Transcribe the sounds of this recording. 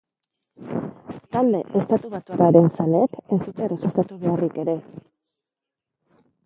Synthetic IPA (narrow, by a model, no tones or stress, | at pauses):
t̪ald̪e̞̰ʔest̪at̪uβat̪uaraɾe̞nsaleke̞zd̪ut̪e̞reʝist̪ɾat̪uβe̞arike̞ɾe̞